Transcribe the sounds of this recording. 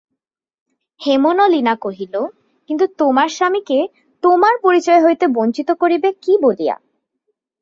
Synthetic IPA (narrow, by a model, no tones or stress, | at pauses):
hemonolinakoɦilo | kint̪ut̪omaɾʃamike | t̪omaɾpoɾit͡ɕɔeɦojt̪ebont͡ɕit̪okoɾibekibolija̰